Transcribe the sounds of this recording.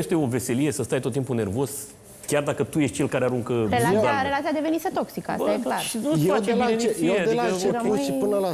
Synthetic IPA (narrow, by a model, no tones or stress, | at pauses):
eʃt̪eo̞ve̞se̞lije̞səst̪ajt̪ot̪ːimpune̞rvo̞z̥ | kʲard̪akət̪uje̞ʃt̪̚ʲt͡ʃe̞lkaɾeaɾuŋkəɾelaaɾelat̪sijad̪e̞ve̞niset̪o̞ksikəa̰sajeklarʃinufat͡ʃebineiad̪iəeauʃiɨnəla